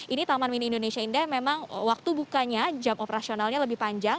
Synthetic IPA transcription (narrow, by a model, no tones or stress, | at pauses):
ʔinit̪amanwiniindonesiaindamemaŋə̰wak̚t̪ubukaɲad͡ʒamʔopəɾasionalɲaləbihpaɲd͡ʒaŋ